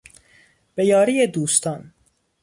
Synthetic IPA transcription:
b̥e̞jɒːɾiːed̪uːst̪ʰɒn

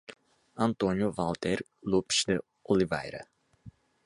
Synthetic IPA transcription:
ant̪onjovalt̪erʲ | lupʃd̪ə | oliva̰jɾə̰

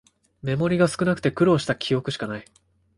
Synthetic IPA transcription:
me̞mo̞ɾʲiɡasɨ̥kɯnakɯ̟̥t̪e̞kɯ̟ɾo̞ːɕi̥t̪akʲʰijo̞kɯ̟ɕi̥kanai

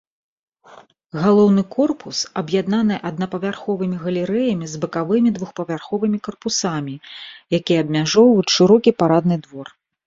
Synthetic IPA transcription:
ɣalˠɔwn̪ɨkɔrpusɐbjad̪nan̪ɨʔɐd̪nɐpɐvʲarxɔvɨmʲiɣɐlʲɛɾɛjɐmʲizbɐkavɨmʲid̪vuxpɐvʲarxɔvɨmʲikɐrpusamʲijakʲijɛɐbmʲaʐɔwut͡sʲʂɨɾɔkʲipaɾad̪̚nɨd̪vɔr

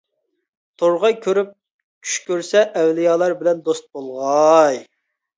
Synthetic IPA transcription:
t̪ʰoɾʁɑjkʲʰøɾyp̚ | kʲʰy̥ʃkʲøɾsɛʔːwlijɑːlˠɑɾbɪlɛnd̪ost̪̚bolˠʁɑj

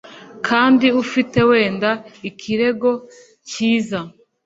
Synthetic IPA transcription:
kʰaːndiufite̞we̞ːndaikʰiɾe̞ɡo̞ | ciːza

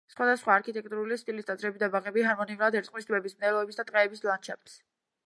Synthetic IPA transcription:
sχwad̪asχwaːɾkʰit̪ʼɛk̚ʼt̪ʼuɾulist̪ʼilisd̪at̪sʼɾɛbid̪abaʁɛbiɦaɾmɔniuɾad̪ɛɾt̪ʼqʼwisd̪bɛbismnɛlɔɛbisd̪at̪ʼqʼɛːbislant͡ʃʰɛpt̪s

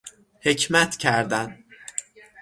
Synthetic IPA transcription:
he̞cʰmæt̪ʰcʰæɾd̪æn

